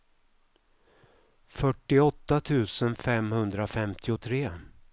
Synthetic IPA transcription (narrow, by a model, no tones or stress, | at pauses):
fœʈːɪɔt̪ːat̪ʰʉ̟ːsənfɛmhɵnd̪ɾafɛmt̪ʰɪʊt̪ʰɾeː